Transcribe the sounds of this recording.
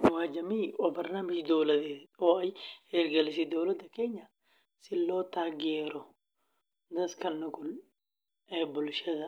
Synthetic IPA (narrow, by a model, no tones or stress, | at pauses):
waːd͡ʒɐmiːʔɔbɐɾnamɪʃd̪oːlɐd̪eoɐjheːɾɡɐlɪs̬ɪd̪oːlɐd̪ɐkeːɲːɐ | sɪlːoːt̪aːɡeːɾɔ | d̪ɐskɐlnʊkʊl | ebʊlʃɛd̪ɐ